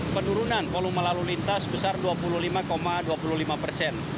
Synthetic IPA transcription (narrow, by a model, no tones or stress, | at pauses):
pənuɾunanpoluməlalulint̪asbəsarduapuluhlimakomaduapuluhɦlimapərsɛn